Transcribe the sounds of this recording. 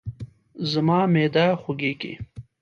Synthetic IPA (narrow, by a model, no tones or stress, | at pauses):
zamɑːmed̪ɑxʊɡekḛ